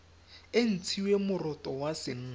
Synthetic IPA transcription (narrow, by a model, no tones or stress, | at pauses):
en̩t͡sʰiwemʊrɔtʼɔwasɪŋ̩ː